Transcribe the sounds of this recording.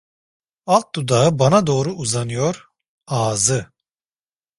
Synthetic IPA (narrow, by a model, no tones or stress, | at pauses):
alˠt̪̚d̪ud̪aɯbanad̪o̞ːɾuʔuzanɯjoɾ | aːzɯ